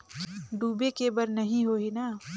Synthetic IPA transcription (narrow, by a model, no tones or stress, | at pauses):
ɖuːbekebəɾnɐɦĩɦoːɦinaː